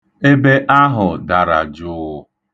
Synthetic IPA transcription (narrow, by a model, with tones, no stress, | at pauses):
e˦be˦ʔa˦ɦʊ˨da˨ɾa̰˨d͡ʒʊ˦